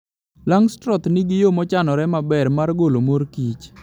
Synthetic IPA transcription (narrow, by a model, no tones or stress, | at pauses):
laŋstɾɔt̪niɡɪjomɔt͡ʃanɔɾɛmabɛrmarɡolomoɾkit͡ʃ